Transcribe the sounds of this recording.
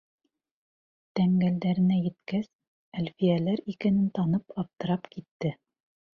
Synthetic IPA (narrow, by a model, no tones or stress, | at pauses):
t̪æŋɡæld̪æɾɘ̆næjɘ̆t̪kæs | ælfijælæɾikænɘnt̪ɑnɤpɑp̚t̪ɤ̆ɾɑpkit̪ːɘ